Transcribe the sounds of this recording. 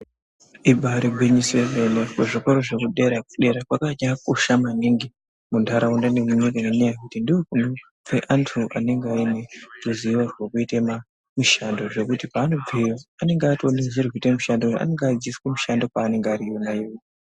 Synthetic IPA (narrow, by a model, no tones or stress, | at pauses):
ibʱaɾiɡʱweɲisevenekeʐiko̞ɾoʐekuɗe̞ɾak̚uɗe̞ɾakwakaɲakoʃamaniŋɡi | mundʱaɾaundanemuɲikanenejakutindiwokunu | feʔantʰuʔa̰ne̞ŋɡeainetuziwarwokuitema | muʃando̞ʐe̞kutipaːno̞b͡vijoane̞ŋɡeatonezirwitemuʃandoa̰ne̞ŋɡad͡ʒiskemuʃandokaːne̞ŋɡeaɾijonaiwi